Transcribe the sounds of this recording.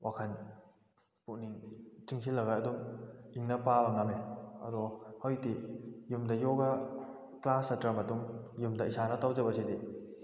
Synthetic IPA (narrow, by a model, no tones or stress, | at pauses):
wʔakʰɐn | puk̚niŋt͡ʃiŋsʰilːɐɡaɐdumiŋnɐpabɐŋameɐ̰dɔhɔjtijumdɐjɔɡɐ | klasɐtɾɐmɐtuŋjumdɐisanɐtawd͡ʒɐbɐsidi